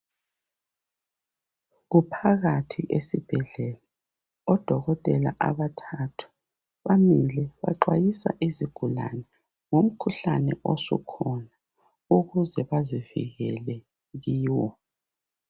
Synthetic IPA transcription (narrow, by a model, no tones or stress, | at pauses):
ɣupʰaɣatʰiʔesib̥ʱɛɮɛla | ɔd̥ʱɔɣɔtʼɛla̰ʔaβatʰatʰu̥ | βamilɛβa̰ǃwajisa̰ʔiziɡ̥ʱula̰nɛ | ŋom̩kʰuɬanɛʔɔsɔ̰kʰɔna | uɣuzɛβazivḭɣɛlɛ | jiːwɔ